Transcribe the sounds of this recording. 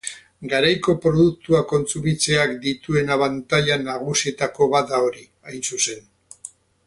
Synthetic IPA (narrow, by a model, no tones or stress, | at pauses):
ɡaɾajko̞pɾo̞ðuk̚t̪uako̞nt͡suβit͡se̞akd̪it̪ue̞naβant̪aʎanaɣ̞usie̞t̪ako̞βad̪ao̞ɾi | ajnsuse̞n